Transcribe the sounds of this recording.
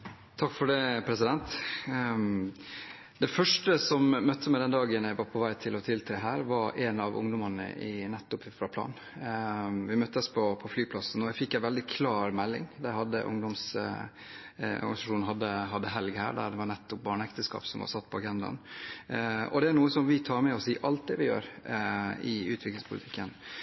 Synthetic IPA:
t̪ʰɑkːfɔɖɛpʰɾɛsɪd̪ɛnt̪ | d̪ɛfœʂʈəsɔmmœt̪ʰːəmɛd̪ɛnd̪ɑːɡənæʋɑɾpʰɔʋæɪt̪ʰɪlɔt̪ʰɪlt̪ʰɾeɦæːɾʋɑɾɛnɑʋʊ̰ŋd̪ʊmɑnə̰ʔɪnɛt̪ːʊpfɾɑpʰlɑ̰ːn | ʋɪmœt̪ːəspʰɔpʰɔflyːɡ̚pʰlɑsn̩ɔæfɪkːæɪʋɛld̪ɪkʰlɑːɾmɛlːɪ̰ŋd̪æhɑd̪ːə̰ʔʊ̰ŋd̪ɔms | ɔ̰ɾɡɑnɪsɑʂuːnn̩ɦɑd̪ːəɦɑd̪ːəɦɛlɡhæ̰ːɖæ̰ɖ̪ɛʋɑnɛt̪ːʊp̚bɑːɳəɛkt̪əskɑ̰ːpsɔmʋɑ̰ɾsɑt̪ːpʰɔɑɡɛnd̪ɑ̰n | ɔ̰d̪ɛæɾɳuːəsɔmʋɪt̪ʰɑːɾmɛɔsiːʔɑlt̪̚d̪ɛʋɪjø̰ːɾ | ɪʉːt̪ʰʋɪklɪŋspʰʊlɪt̪ʰɪkːən

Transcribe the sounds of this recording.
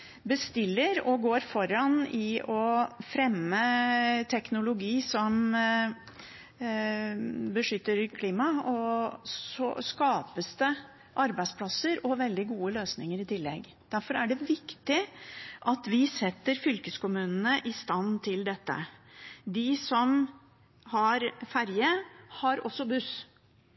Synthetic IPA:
bəst̪ɪlːəɾɔɡoːɾfɔɾɑnɪɔfɾɛmːət̪ʰɛknʊlʊɡiːsɔm | bəʂʏt̪ːəɾkʰliːmɑɔ | ɔ̰skɑːpəst̪ə | ʔɑɾbæɪspʰlɑsəɾɔʋɛld̪ɪɡuːəløːsnɪŋəɾɪt̪ʰɪlːɛ̰ɡ | d̪̥æɾfɔɾæɖɛʋɪkt̪ɪʔɑt̪ʋɪsɛt̪ːəɾfʏlkəskʊmʉːnənəʔɪst̪ɑnt̪ʰɪld̪ɛt̪ːə̰d̪ɪsɔm | hɑɾfæɾjəhɑɾɔ̰sːɔbʉs

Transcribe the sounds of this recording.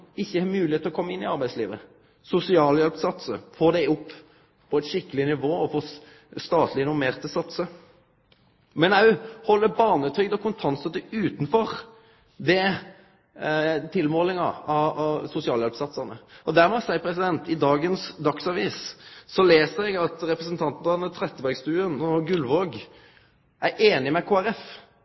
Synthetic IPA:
ɪçːəhɑmʉːlɪeːt̪lɔkʰɔmːəɪnːɪɑɾbæɪsliːʋə̰ | sʊsɪɑːljɛlpsɑt̪sə̰foːd̪ɛʊpː | pʰɔɛt̪ʃɪkːəlɪnɪʋoːɔfoː | st̪ɑːt̪ʰlɪɪnʊɾmeːɾt̪əsɑt̪sə | mɛnɑʉhɔlːəbɑːɾnət̪ʰɾʏɡd̪ɔkʰʊnt̪ʰɑnsət̪əʉːt̪n̩fɔɾ | d̪ɛ | t̪ʰɪlmoːlɪŋɑ̰ɑsʊsɪɑːlɛlpsɑt̪sɑnə̰ɔd̪æɾmɛsæɪəpʰɾɛsɪd̪ɛnt̪ɪd̪ɑːɡənsd̪ɑksɑʋiːsːɔleːsəɾɛɡɑt̪ɾɛpɾəsənt̪ʰɑnt̪nd̪ɑnət̪ʰɾɛt̪ːəbæɾɡst̪ʉːənɔɡʉlʋoːɡ | ʔæɾʔeːnɪmɛkʰoːæɾɛf

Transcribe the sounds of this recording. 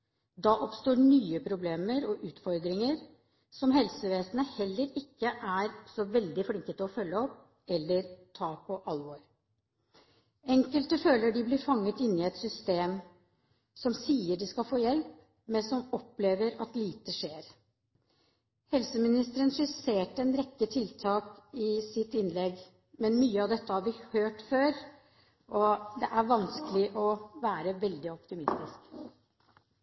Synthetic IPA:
d̪ɑʔɔpst̪oːɳyːəpʰɾʊbleːməɾɔʔʉːt̪fɔɾd̪ɾɪŋəɾ | sɔmhɛlsəʋeːsənəhɛlːəɾɪkːəʔæɾsɔʋɛld̪ɪfɽɪŋkət̪əɔfœlːəɔpː | ɛlːəɾt̪ʰɑːpʰɔʔɑlʋɔɾ | ɛŋkəlt̪əføːləɖɪblɪɾfɑŋːət̪ɪnːɪɛt̪sʏst̪eːm | sɔmsiːəɖɪskɑfoːjɛlp | mɛnsɔmɔpːleːʋəɾɑt̪liːt̪əʂeːɾ | hɛlsəmɪnɪst̪əɾənʂɪseːʈəɛnɾɛkːət̪ʰɪlt̪ʰɑːkɪsɪt̪ɪnːlɛɡ | mɛnmyːəɑʋd̪ɛt̪ːəhɑɾʋɪhøːʈføːɾ | ʔɔd̪ɛʔæɾʋɑnskəlɪʔɔʋæːɾəʋɛld̪ɪɔpt̪ɪmɪst̪ɪsk

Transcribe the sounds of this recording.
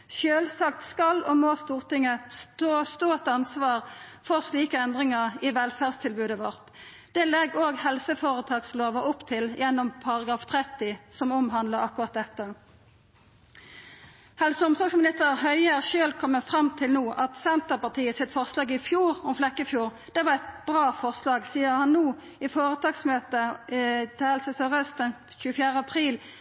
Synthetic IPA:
ʃøːlsɑk̚t̪skɑlɔmost̪uːʁt̪ɪŋəsost̪oːt̪ɑnsʋɑːʁfɔʁsliːkəɛnd̪ʁɪŋəʁɪʋɛlfæːdst̪ʰɪlbʉːd̪əʋɔʁt̪ | d̪̥ɛːlɛɡoːɡhɛlsəfoːʁət̪ʰɑːɡsloːʋəʔʊpt̪ʰɪljɛnːɔmpʰɑʁɑɡʁɑːft̪ʰʁɛt̪ːɪsɔmʊmɦɑnd̪ləʁɑkʊʁɑt̪̚d̪ɛt̪ːə | hɛlsəʊmsɔɡsmɪnɪst̪əʁhœʏæʁʃøːlkʰɔmːəfʁɑmt̪ʰɪlnuːʔɑt̪sɛnt̪əpɑt̪ʰiːəsɪt̪fɔʁslɑːɡɪfjuːʁɔmflɛkːəfjuːʁ | d̪̥ɛʋɑʁɛɪt̪b̥ʁɑːfɔʁslɑːɡsiːəʁhɑnnuː | ɪfoːʁət̪ʰɑːɡsmøːt̪ət̪ʰɪhɛlsəsœʁœst̪ən | çʉːəfjæːʁəɑpʰʁiːl

